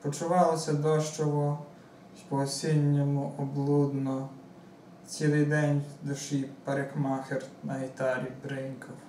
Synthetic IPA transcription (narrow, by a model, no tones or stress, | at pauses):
pɔt͡ʃʊʋɑlˠɔsʲɐd̪ɔʃt͡ʃɔʋɔ | pɔːsʲinʲːɔmʊʔɔblˠud̪nɔ | t͡sʲilˠɪjd̪ɛnʲd̪ʊʃipɐɾekmɑxernɐɦit̪ɑɾʲibɾɪŋkɔw